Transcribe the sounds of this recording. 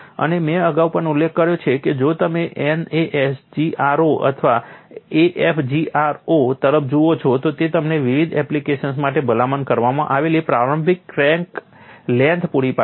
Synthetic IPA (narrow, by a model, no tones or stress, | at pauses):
ə̰nemɛ̃əɡaupəɳulːekʰːəɾjot͡ʃʰeked͡ʒot̪əmeʔeneʔesd͡ʒiʔaɾoʔə̰t̪ʰʋaeʔefd͡ʒiʔaɾot̪əɾəp̚d͡ʒoot͡ʃʰot̪ot̪et̪əmneʋiʋid̪ɛ̰plikeʃəns̬maʈebəlamankəɾʋamã̰ʔaʋelipɾaɾõmbʱikɾɛ̃ŋk | lɛ̃nt̪puɽipa